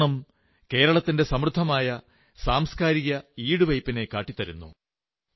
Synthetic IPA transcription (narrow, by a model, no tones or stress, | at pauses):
ɳɐm | ke̞ːɾɐɭɐt̪ːinde̞sɐmrɨd̪ʱːɐmaːjɐ | saːmskaːɾiɣɐiːɽuʋɐjpːine̞kaːʈːit̪ːɐɾṵnːṵ